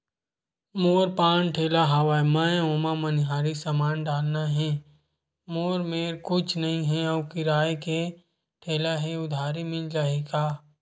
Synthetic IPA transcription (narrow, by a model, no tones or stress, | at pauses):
moːɾpãːnʈʰeːlaɦaʋaːjmãoːmamɐnɪɦaːɾisəmaːnɖaːlnaɦɛ̃ː | moːɾmeːɾkʊt͡ʃʰnɐɦĩɦɛɐkɪɾaːjke | ʈʰeːlaɦeʊd̪ʱaːɾimɪld͡ʒaːɦeːɡaː